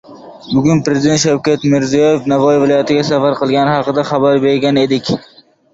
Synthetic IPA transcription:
bʊɡʲʊnpɾe̞zɪd̪ent̪ʃawkʲat̪mɪɾzijɒjefnavɒjvɪlɒjat̪ɪɡʲasafaɾqɨlˠɡʲanɪhɑqɨd̪aχɑbaɾbe̞ɾɡʲane̞d̪ɪkʲ

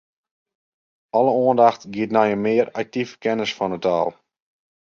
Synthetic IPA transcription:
ɔləoəndaxtɡiətnajəmɪərak̚tivə̥kɛnəsfɔnəta̰ːlˠ

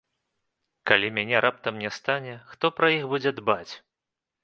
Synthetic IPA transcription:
kalʲimʲanʲɛɾʔap̚t̪ɐmnʲɛst̪anʲɛxt̪ɔpɾɐjixbud͡zʲɛd̪bat͡sʲ

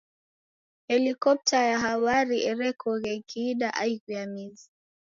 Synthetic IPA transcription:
hɛlikɔp̚tajaɦawaɾiʔɛɾɛkʰɔɣɛkʰiːɗaʔaiɣujamizi

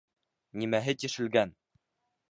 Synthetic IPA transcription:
nimæɦɘt̪iʃɘ̆lɡæn

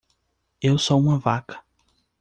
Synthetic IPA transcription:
ewsoũmɐvakɐ̥

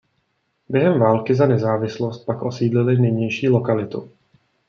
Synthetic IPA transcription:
bjɛɦɛmvaːlkɪzanɛzaːvɪslost̪̚pakʔo̞siːdlɪlɪnɪjɲɛjʃiːlo̞kalɪt̪ṵ

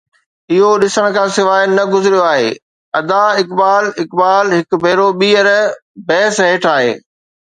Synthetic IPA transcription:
ɪɦoɗɪsəɽ̃̆kʰãːsɪʋaːɪnɐɡʊzɪɾijoaːɦḛː | ɐd̪aɪkbaːlɪkbaːlɦɪkbʱeːɾoɓiːəɾbɛːsɦeːʈʰaːɦḛː

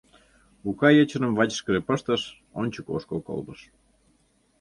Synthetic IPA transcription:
ukɑjət͡ɕə̆nə̆mvɑt͡ɕə̥ʃkəʒepəʃt̪ə̆ʃ | onʲt͡ɕəko̰ʃkoko̰lb̪əʃ

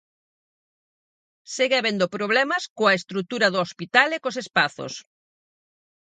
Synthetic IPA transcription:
seɣeaβend̪opɾoβ̞lɛmɐskoɐest̪ɾut̪uɾɐðoospit̪alekosespaθo̰s

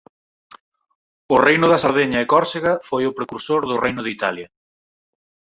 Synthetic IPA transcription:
ʊrejnʊðɐsɐɾðeɲɐɪkɔɾseɣɐfojʊpɾekuɾsoɾðʊrejnʊðit̪aljɐ

